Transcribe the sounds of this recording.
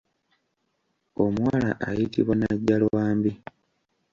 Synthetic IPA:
omuwala̰ʔajitiβwanaɟːalwwaːmbi

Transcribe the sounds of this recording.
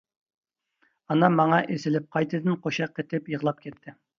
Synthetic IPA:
ɑnɑmɑŋɑʔesɪlɪp̚qʰɑjt̪ʰɨd̪ɪnqʰoʃɑqːet̪ɪpjəʁlˠɑp̚kʲʰɛt̪ʰːɪ

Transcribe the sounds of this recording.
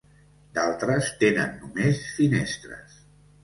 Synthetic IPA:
d̪alˠt̪ɾəst̪enənːumesfinest̪ɾə̰s

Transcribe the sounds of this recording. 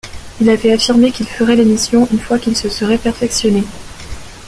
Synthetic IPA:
ilavɛafiʁmekilfəʁɛlemisjɔ̃ʔynfwakʲilsəsəʁɛpɛʁfɛksjɔne

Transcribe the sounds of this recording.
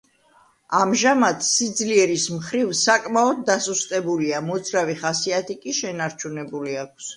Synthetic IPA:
amʒamat̪sid̪zliɛɾismχɾivsakʼmaɔd̪̚dːasust̪ʼɛbuliamɔd̪zɾaviχasiat̪ʰikʼiʃɛnaɾt͡ʃʰunɛbuliakʷʰs

